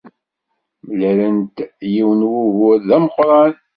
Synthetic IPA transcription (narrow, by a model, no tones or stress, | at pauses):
mlæɾənt̪jiwənwuɣʊɾðæməqɾˤɑl